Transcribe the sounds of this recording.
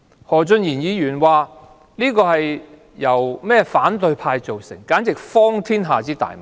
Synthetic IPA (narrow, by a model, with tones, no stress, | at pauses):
hɔː˨˩t͡sɵ˧njiː˨˩njiː˨˧jyː˨˩nwaː˨ | liː˥kɔː˧hɐ˨j | jɐ˨˩wmɛː˥faː˨˥nt̪ɵ˧ɥpʰaː˧jt͡so˨wsɪ̰˨˩ŋkaː˨˥nt͡sɪ˨k̚fɔː˥ŋt̪ʰiː˥nɦaː˨t͡siː˥t̪a̰ː˨jm˨˩